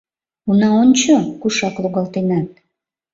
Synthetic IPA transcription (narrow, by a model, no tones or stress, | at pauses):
unɑonʲt͡ɕokuʃɑkluɣɑlt̪enɑt̪̚